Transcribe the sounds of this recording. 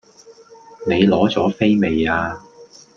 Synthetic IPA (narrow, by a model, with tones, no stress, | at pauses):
ne˨˧jlɔː˨˥t͡sɔː˨˥fe˥jme˨jaː˧